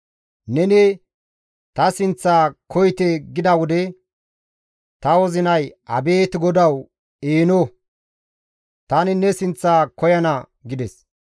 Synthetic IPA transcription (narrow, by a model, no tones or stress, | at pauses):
nɛnɛ | t̪ɐsɪnt͡sːaːkʰɔjt̪ɛɡɪd̪ɐwɔd̪ɛ | t̪ɐwɔzɪnɐjɐ̰beːt̪ɪɡɔd̪ɐw | eːno | t̪ɐnɪnɛsɪnt͡sːaːkɔjɐnɐ | ɡɪd̪ɛs